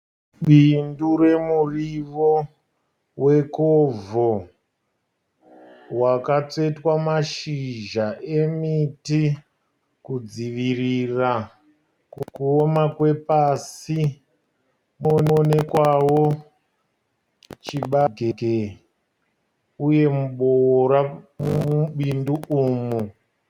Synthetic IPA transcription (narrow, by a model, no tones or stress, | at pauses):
ɓinduɾe̞muriʋo̞ | we̞kovo | wakat͡se̞twamaʃiʒaʔemiti | kud͡ziʋirira | kukuomakwe̞pasi | monne̞kwawo | t͡ʃiɓaɡʱeɡe | uje̞muɓowoɾamuuɓinduuːmu